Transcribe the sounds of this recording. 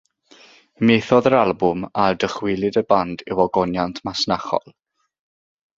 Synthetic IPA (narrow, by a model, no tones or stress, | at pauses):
meːθɔðəɾalˠbʊmardəχwɪlˠɨdəbandɪwɔɡɔnjantʰmasnaχɔ̰lˠ